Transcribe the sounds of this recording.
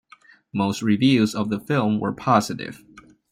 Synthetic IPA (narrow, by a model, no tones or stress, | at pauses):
moʊst̚ɹivjʉzʌvðəfɪlˠmwə̰˞pʰɑzɨɾɪ̰v̥